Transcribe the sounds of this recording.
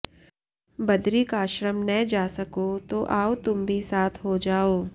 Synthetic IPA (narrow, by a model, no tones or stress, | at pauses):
bɐd̪ɾikaːʃɾəmnɛd͡ʒaːsɐkot̪oʔaːot̪ʊmbʱisaːt̪ʰɦod͡ʒaːoː